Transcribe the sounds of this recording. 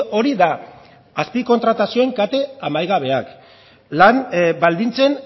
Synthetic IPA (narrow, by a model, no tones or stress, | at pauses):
o̞ɾiðaː | spiko̞nt̪ɾat̪asio̞e̞ŋkat̪e̞amajɣaβe̞ak | lanbald̪int͡se̞n